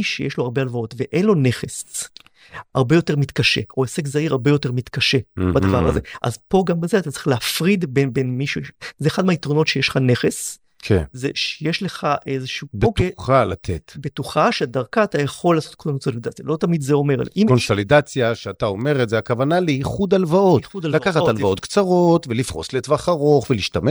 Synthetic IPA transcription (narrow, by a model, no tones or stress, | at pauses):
iʃejeʃloaʁbealvao̞tveʔenlo̞ne̞χe̞s | aʁbe̞jo̞te̞ʁmit̪kaʃe̞̰oesekzaiʁhaʁbe̞jo̞te̞ʁmit̪kaʃe̞bad̪ava̰ʁa̰ze̞̰ʔa̰zpo̞ɡambezeatatt͡sʁi̥χleafʁidbenbenmiʃuzeːχadmeaitʁono̞tʃejeʃleχane̞χe̞s | kʰḛnzeʃejeʃle̞χaʔezeʃuubetkχala̰t̪ʰetbetuχaʃeadaʁkaːtajaχo̞lːaːso̞t̚kʰonsolid̪at͡sjalo̞tamidzeo̞me̞ʁ̰ʔimonsolid̪at͡sjaʃeataomeʁetzeakavanaleiχud̪alvao̞tudallakaχaalvaot̪̚kt͡saʁo̞tvelifʁo̞̰sletvaχaʁo̞χveliʃtame